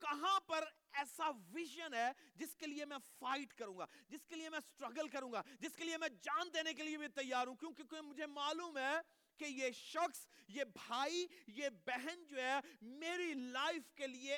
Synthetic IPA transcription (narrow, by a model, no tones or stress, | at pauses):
kɐɦãpɐɾ | ɛːsaʋɪʒənɦɛːd͡ʑɪskeliemɛ̃ːfaːɪʈkɐɾũːŋɡa̰ːd͡ʑɪskeliemɛ̃ːsʈɾɐɡəlkɐɾũːɡad͡ʒɪskeliemɛ̃d͡ʒaːnd̪eːnekeliebʱit̪ɐjːaːɾɦũkjõːkekoĩmʊd͡ʒʱemaːluːmɦɛː | kejeʃɐxsjebʱaːijebɛɦɛnd͡ʑoːɛmeːɾilaːɪfkelie